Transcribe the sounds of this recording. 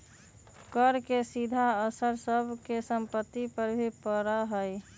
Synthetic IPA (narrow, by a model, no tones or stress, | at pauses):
kəɾkesid̪ʱaəsəɾsəbʱkesəmpət̪ːipəɾbʱipəɾəɦəj